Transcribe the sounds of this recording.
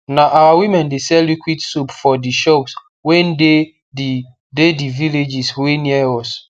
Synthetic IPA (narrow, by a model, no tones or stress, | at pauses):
naʔawawimɛ̃ndesɛljukwitsupfɔdiʃɔps | wɛ̃nde | di | dediviled͡ʒisweniɛɔs